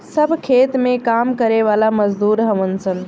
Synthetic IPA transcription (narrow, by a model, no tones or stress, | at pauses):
səbʱkʰet̪mẽkamkəɾeʋalaməd͡ʒd̪uɾɦəʋənt͡ʃʰən